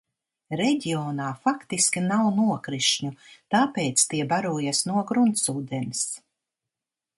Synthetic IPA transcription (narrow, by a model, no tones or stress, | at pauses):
ɾɛɟʲiɔːnaːfakt̪iskʲinawnuɔkɾiʃɲut̪aːpeːt̪st̪iɛbaɾuɔjasnuɔɡɾunt̪suːd̪ɛns